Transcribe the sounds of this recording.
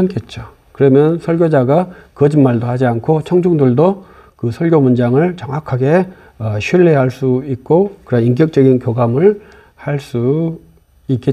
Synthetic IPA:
ank͈et̚t͡ɕ͈o | kɯɾʌmjʌnsʰʌɭɡjod͡ʑaɡakʌd͡ʑinmaɭdohad͡ʑiankʰot͡ɕʰʌŋd͡ʑuŋduɭdo | kɯsʰʌɭɡjomund͡ʑaŋɯɭt͡ɕʌŋwakʰaɡe̞ | ʌɕʰɥiɭːeɦaɭs͈uik̚k͈okɯɾʌink̬jʌk̚t͡ɕ͈ʌɡinkjoɡamɯɭ | haɭs͈u | ik͈e

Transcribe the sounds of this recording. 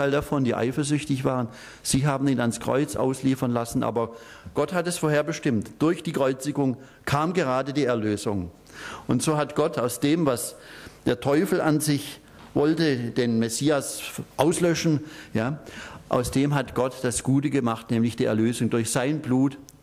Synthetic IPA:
aɪldafɔndiːʔa̰ɪfɐzʏçtɪçv̥aːʁən | z̥iːɦaːbm̩iːnanskʁ̥ɔ̰ʏt͡sʔa̰ʊsliːfɐnlasn̩ʔa̰ːbɐ | ɡ̥ɔthatɛsfoɐheːɐbəʃtɪmtd̥ʊɐçd̥iːkʁ̥ɔʏt͡sɪɡʊŋ | kʰaːmɡəʁaːdədiːɛɐløːzʊŋ | ʔʊntz̥oːɦatɡ̥ɔtʰaʊsd̥eːmvasd̥eːɐtʰɔʏfl̩ʔanzɪç | vɔltəd̥eːnmesiːasʔaʊslœʃn̩jaːʔa̰ʊsd̥eːmɦatɡ̥ɔtd̥asɡ̥uːtəɡəmaχtnɛːmlɪçd̥iːʔɛɐløːzʊŋdʊɐçz̥aɪnbluːt

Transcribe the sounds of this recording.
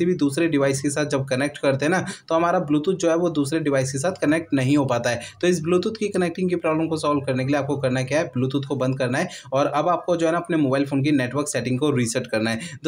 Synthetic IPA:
ibʱid̪uːsɾeɖɪʋaːɪskesaːt̪̚d͡ʒɐb̚kɐnɛːk̚ʈkɐɾt̪eɦnat̪oɦɐmaːɾabluːt̪uːt̪̚d͡ʒoːɦɛʋod̪uːsɾeɖɪʋaːɪskes̬aːt̪ʰkɐnɛːk̚ʈnɐɦĩɦopaːt̪aɦɛːt̪oɪs̬bluːt̪uːt̪kikɐnɛːk̚ʈɪ̃ŋɡkipɾaːbləmkosɔːlb̚kɐɾnek̬elieaːp̚kokɐɾnakjaɦɛbluːt̪uːt̪kobɐ̃nd̪̚kɐɾnaɦɛɔːɾɐbaːp̚kod͡ʒoːɦɛnaɐpnemoːbaːɪlfoːnk̬ineːʈʋəɾksɛːʈɪ̃ŋɡkoɾisəɾʈkɐɾnaɦɛd̪

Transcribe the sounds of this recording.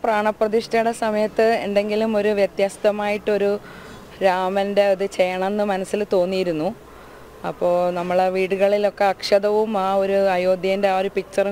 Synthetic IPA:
praːɳɐprɐðiʂtɐjuɽesɐmɐjɐt̪ːɨe̞nd̪e̞ŋɡilumo̞ɾuʋjet̪jaːst̪ɐmaːjiʈːo̞ɾu | ɾaːmɐnde̞ɐðɨt͡ɕe̞jɐɳɐmenːɨmɐnɐsːilt̪o̞ːnːijiɾunːu | ɐpːo̞ːɭnɐmːɐɭeʋiːɽuɣɐɭilo̞kːe̞ɐkʂɐðɐʋumaːo̞ɾuɐjo̞ːd̪ʱjɐindeaːoɾupik̚t͡ɕːɐr

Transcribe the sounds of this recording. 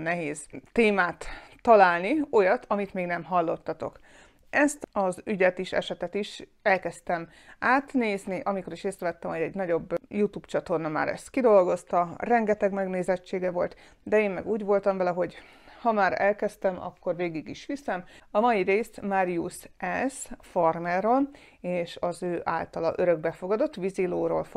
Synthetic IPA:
nɛɦeːzt̪eːmaːt̪ːɒlaːlnio̞jɒt̪ʰɒmit̪meːɡnɛmɦɒlːo̞t̪ːɒt̪o̞̰k | ɛst̪ɒzyɟɛt̪iʃɛ̰ʃɛt̪ɛt̪iʃ | ɛlkɛst̪ɛm | aːt̪neːzniʔɒmiko̞ɾiʃeːsɾɛvɛt̪ːɛmhoɟɛɟnɒɟo̞bːjut̪uːpt͡ʃɒt̪o̞rnɒma̰ːɾɛ̰st̪kid̪o̞lɡo̞st̪ɒrɛŋɡɛt̪ɛɡmɛɡneːzɛt͡ʃːeːɡɛvo̞lt̪ | d̪ɛeːnmɛ̰ɡuːɟʋo̞lt̪ɒmvɛlɛɦo̞ɟ | hɒmaːɾɛlkɛst̪ɛmɒ̰kːo̞rveːɡiɡiʃʋisɛmɒmɒjiɾeːsmaɾijusɛsformɛrol | eːʃɒzøːʔa̰ːlt̪ɒlɒ̰ʔøɾø̞ɡ̚bɛfo̞ɡɒd̪o̞t̪ːʋiziloːɾoːlf

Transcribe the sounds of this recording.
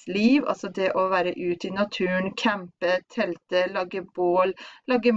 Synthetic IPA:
liːʋɑ̰lsɔd̪ɛʔɔʋæːɾəʔʉːt̪ɪnɑt̪ʰʉːnkʰæmpət̪ʰɛlt̪əlɑːɡəboːllɑːɡə

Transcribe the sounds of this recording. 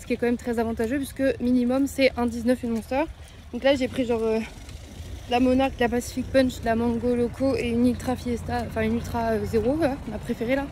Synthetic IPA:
sə̥kʲiɛkɑ̃mɛmt̪χɛzavɑ̃t̪aʒøpɥisə̥kəminimɔmsɛʔɛ̃d̪iznœfynɔ̃sœʁ | d̪ɔ̃klaʒepχiʒɑ̃ʁø | lamɔnaʁkd̪lapasi̥fik̚pœ̃nʃd̪lamɑ̃ɡolɔkʰoeynylt̪χafiɛst̪aɑ̃fɛ̃ynylt̪χaøzeʁoaɔ̃napχefeʁela

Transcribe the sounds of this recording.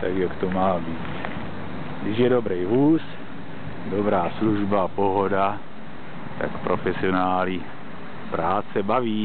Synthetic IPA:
t̪akjakt̪omaːbiːt̪ | ɡdɪʃjɛdobɾɛjvuːs | dobɾaːsluʒbaapoɦo̞da | t̪a̰kpɾʔofɛsɪonaːli | pɾaːt͡sɛbaviː

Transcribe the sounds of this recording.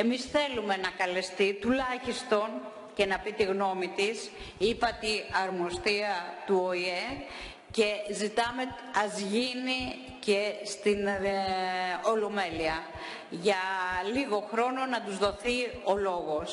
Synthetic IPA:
e̞misθe̞lume̞nɐkɐlest̪it̪ulɐçist̪o̞n | ce̞nɐpit̪iɣno̞mit̪is | ipɐt̪iɐɾmost̪iɐt̪uoie | ce̞zit̪ɐme̞ | ɐzʝini | ce̞st̪in | o̞lome̞liɐ | ʝɐliɣo̞xɾo̞no̞nɐt̪uzðo̞θio̞lo̞ɣo̞s

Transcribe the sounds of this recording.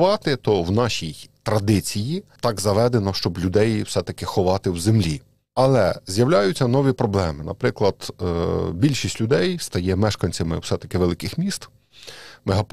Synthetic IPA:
ʋɑt̪ɪt̪ɔwnɑʃʲijt̪ɾɐd̪ɪt͡sʲijit̪ɑɡzɐʋɛd̪enɔʃt͡ʃɔblʲʊd̪ɛjwsɛt̪ɐkɪxɔʋɑt̪ɪwzemlʲi | ɐlˠɛzʲjɐwlʲajʊt͡sʲːɐnɔʋʲipɾɔblˠɛmɪnɐ̰pɾɪklˠɐd̪̥ | bʲilʲʃisʲtʲlʲʊd̪ɛjst̪ɐjɛmɛʃkɐnʲt͡sʲɐmɪ̰wsɛt̪ɐ̥kɪʋelˠɪkɪxmʲist̪ | meɦɐp

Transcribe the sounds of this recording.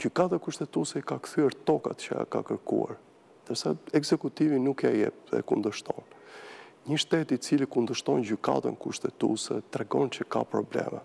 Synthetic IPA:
d͡ʑykat̪akuʃt̪ɛt̪usɛikakθyɛɾt̪ɔka̰t̪t͡ɕəa̰ka̰kəɾkṵa̰ɾ | nd̪əɾsaɛɡzɛkut̪ivinukɛajɛ̰p̚ðɛ̰kund̪əʃt̪ɔn | ɲəʃt̪ɛt̪it͡silikund̪əʃt̪ɔnɟyka̰t̪ə̰nkuʃt̪ɛt̪ṵsɛt̪ɾɛɡɔnt͡ɕəka̰pɾɔblɛ̰mɛ

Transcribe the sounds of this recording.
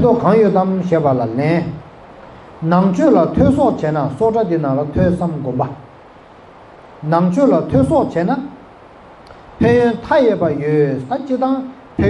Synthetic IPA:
t̪okʰaŋjøʔt̪amɕɛːpalalɛn | naŋt͡ɕʰøʔlat̪ʰøːsɔʔt͡ɕɛːnasɔʔʈ͡ʂat̪inaŋlat̪ʰøsamɡøpa | naŋt͡ɕʰøʔlat̪ʰøsɔʔt͡ɕɛːna | pʰøːjønt̪ʰajɛʔpajøʔt̪at͡ɕit̪aŋ | pʰø

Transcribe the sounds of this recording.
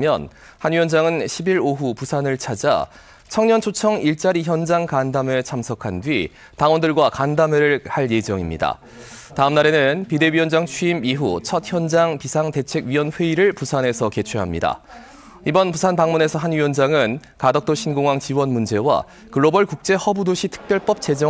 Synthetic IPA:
mjʌ̰n | hanɥiʌnd͡ʑaŋɯnɕʰibiɾoɦupusʰanɯɭt͡ɕʰad͡ʑa̰ | t͡ɕʰʌŋɲʌnt͡ɕʰot͡ɕʰʌŋiɭt͡ɕ͈aɾiçjʌnd͡ʑaŋkandamet͡ɕʰamsʰʌkʰandɥi | taŋwʌndɯɭɡwakandameɾɯɭhaɭje̞d͡ʑʌŋimɲḭda̰ | taɯmnaɾe̞nɯnpide̞ɥiʌnd͡ʑaŋt͡ɕʰiimiɦut͡ɕʰʌt̚çjʌnd͡ʑaŋpisʰaŋte̞t͡ɕʰe̞ɡɥiwʌnɸwe̞iɾɯɭpusʰane̞sʰʌke̞t͡ɕʰweɦa̰mɲida̰ | ibʌnpusʰanpaŋmune̞sʰʌɦanɥiwʌnd͡ʑaŋɯnkadʌk̚t͈oɕʰinɡoŋwaŋt͡ɕiwʌnmund͡ʑe̞wa̰ | kɯɭːobʌɭkuk̚t͡ɕ͈e̞hʌbudoɕʰitʰɯ̥k̚p͈jʌɭp͈ʌp̚t͡ɕ͈e̞d͡ʑʌ

